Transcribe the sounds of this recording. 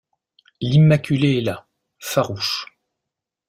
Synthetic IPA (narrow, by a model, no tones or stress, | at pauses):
limakʲʰyleɛla | faʁuʃ